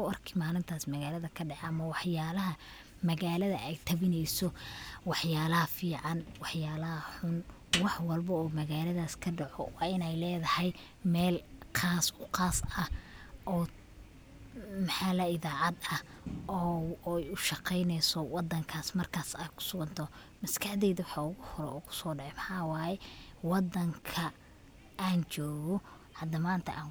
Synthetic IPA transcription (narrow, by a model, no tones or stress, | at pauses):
ʊɐrkʰɪmaːlɪnt̪ʰaːsmɐɣaːlɐðɐkʰɐɖɑħɐmɐwɑħjaːlɐɦɐ | mɐɣaːlɐðɐʔɛjt̪ʰɐβɪnɛjsɔwɑħjaːlɐhɐfiːʕɑnwɑħjaːlɐhɐħʊn | wɑħwɑlbɐɔːmɐɣaːlɐðaːskʰɐɖɑʕɔ̰wɑ̰ːɪnɛjlɛːðɐhɛj | mɛːlqaːsʊqɑːsɐʔɔː | mɐħaːlɐɪðaːʕɑd̪ɐh | ɔːjʊʃɑqɛjnɛjsɔwɑd̪ːɐŋkʰaːsmɐrkʰaːsɛjkʰʊ̥sʊɣɐnt̪ʰɔ | mɐskʰɐħd̪ɛːðɐwɑħɑʊɣʊhɔɾɛ̰ʊkʰʊ̥sɔːɖɑʕɛmɐħɑːwaːjɛwɑd̪ːɐŋkʰɐ | aːnt͡ʃɔːɣɔ | hɐd̪ɐmaːnt̪ʰɐ̰ʔaːŋ